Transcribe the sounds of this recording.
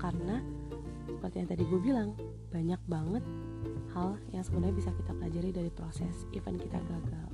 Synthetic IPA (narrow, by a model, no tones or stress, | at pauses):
karəna | səpərt̪ijaŋt̪adiɡubilaŋ | b̥aɲak̚baŋət̪̚ | haljaŋsəbundaɲabisakit̪aplad͡ʒaɾidaɾipɾosɛsifɛ̰nkit̪a̰ɡaɡal